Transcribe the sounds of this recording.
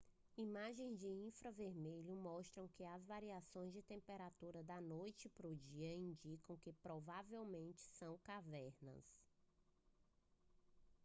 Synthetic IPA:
imaʒẽj̃zd͡ʒɪĩfɾɐveɾmeʎʊmɔʃt̪ɾɐ̃w̃kɪazvaɾiasõj̃zd͡ʒɪt̪ẽmpeɾat̪uɾɐd̪ɐnojt͡ʃɪpɾʊd͡ʒiɐĩnd͡ʒikɐ̃w̃kɪpɾɔvavewmẽnt͡ʃɪ̥sɐ̃w̃kavɛɾnɐ̰s

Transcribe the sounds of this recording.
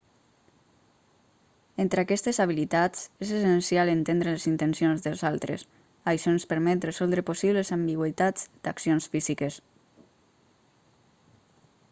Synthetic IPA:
ent̪ɾakɛst̪ezaβ̞ilit̪at͡sezesensialent̪end̪ɾelezint̪ensionzðəlˠzalˠt̪ɾḛs | ajʃɔenspəɾmɛt̪rezɔlˠd̪ɾəposiβlezambiɣwət̪ad͡zd̪̥aksijonsfizikes

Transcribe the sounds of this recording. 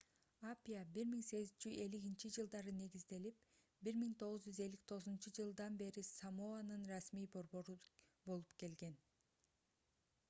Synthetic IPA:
apʲijabiɾmiŋse̞ɡizt͡ʃyze̞liɡint͡ʃid͡ʒɯlˠd̪ɑɾɯne̞ɡizd̪e̞lip̚ | biɾmiŋt̪ʰo̞ʁuzd͡ʒyze̞lːik̚t̪ʰo̞ʁɯzunt͡ʃɯd͡ʒɯlˠd̪ɑnbe̞ɾisamoanɯnrɑsmijbo̞ɾbo̞ɾubo̞lˠupke̞lɡe̞n

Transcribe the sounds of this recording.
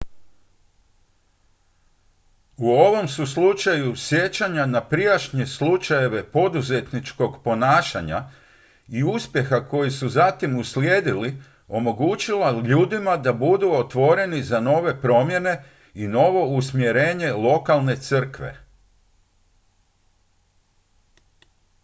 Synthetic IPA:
uo̞ʋo̞msuslut͡ʃajusje̞t͡ɕaɲanapɾijaʃɲeslut͡ʃaje̞ʋe̞po̞d̪uze̞t̪nit͡ʃko̞ɡpo̞naːʃa̰ɲa̰ | iuspje̞xako̞jisuzat̪imusljeːd̪ili | o̞mo̞ɡut͡ʃilaʎuːd̪imad̪abud̪uo̞t̪ʋo̞ɾe̞nizano̞ʋe̞pɾo̞mje̞ne̞ | ino̞ʋo̞usmje̞ɾe̞ːɲe̞lˠo̞kalˠne̞t̪sɨr̩kʋe̞̰

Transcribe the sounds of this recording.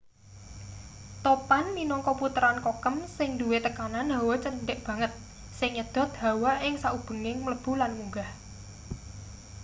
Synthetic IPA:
t̪opanminɔŋkɔput̪əɾankokəmsɪŋd̪uwet̪əkananawɔt͡ʃənɖɪʔb̥ä̤ŋət̪̚ | sɪŋɲəd̪̥ɔ̤t̪̚da̤waʔɪŋsaʔub̥ə̤ŋɪŋmələb̥ṳlanmuŋɡah

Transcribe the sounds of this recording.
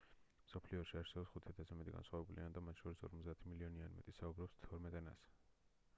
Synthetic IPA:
msɔpʰliɔʃiaɾsɛbɔpsχut̪ʰiat̪ʰasamit̪ʼḭɡa̰nsχwavɛbuliand̪amat̪ʰʃʰɔɾisɔ̰ɾmɔt̪zd̪aːt̪ʰimiliɔnianimɛ̰t̪ʼisaubɾɔpst̪ʰɔɾmɛt̪ʼɛna̰s

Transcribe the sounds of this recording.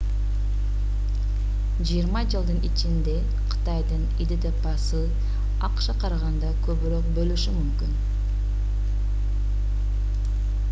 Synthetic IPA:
d͡ʒijəɾmɑd͡ʒɯlˠd̪ɯnit͡ʃɪnd̪e̞ | qʰɨ̥t̪ɑjd̪ɯnid̪ed̪epɑsɯ | ɑqʃɑqʰɑɾɑʁɑnd̪ɑkʲʰɵβɪɾøq̚bølyʃymymkʲyn

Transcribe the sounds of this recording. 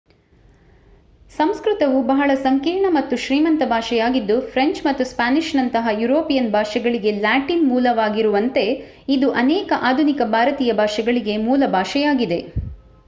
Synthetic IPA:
sɐmskɾut̪ɐʋubɐɦɐɭɐsɐŋkiːɳɐmɐt̪ːuʃɾiːmɐnt̪ɐbʱaːʂɛjaːɡid̪ːupʰɾeɲt͡ʃmɐt̪ːuspaːniʃnɐnt̪ɐɦɐjuɾoːpijɐnbʱaːʂɛɡɐɭiɡe̞laːʈinmuːlɐʋaːɡiɾuʋɐnt̪e̞ | id̪uʔɐnɛːkɐʔaːd̪ʱunikɐbʱaːɾɐt̪iːjɐbʱaːʂɐɡɐɭiɡe̞muːlɐbʱaːʃɛjaːɡid̪e̞

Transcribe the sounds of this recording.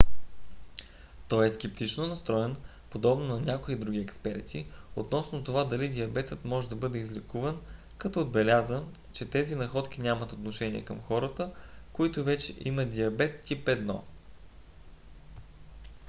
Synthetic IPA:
t̪ɔjɛskʲɛp̚t̪it͡ʃnonɐst̪ɾɔɛn | pod̪ɔbnonɐnʲakoid̪ɾuɡ̟ʲiɛkspɛɾt̪ʰiot̪nɔsnot̪ovad̪ɐlid̪ʲiɐbɛt̪ət̪mɔʒɛd̪ɐbɤd̪ɛizlikʰuvɐn | kɐt̪ɔːd̪bɛlʲazə | t͡ʃɛt̪ɛzinɐxɔt̪k̟ʲinʲamɐt̪ot̪noʃɛniɛ̰kɐmxɔɾət̪əkoit̪ovɛt͡ʃɛʔimɐd̪ʲiɐbɛt̪ːipɛd̪nɔ̰

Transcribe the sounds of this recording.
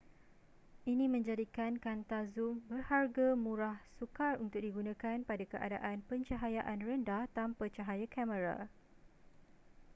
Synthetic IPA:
ʔinĩmə̃ɲd͡ʒadikankant̪azumbərharɡamũɾahsukarunt̪ʊk̚diɡunãkanpadakəʔa̰da̰ʔanpəɲt͡ʃaɦajaʔanrəndaht̪ampat͡ʃaɦajakɛmə̃ɾa̰

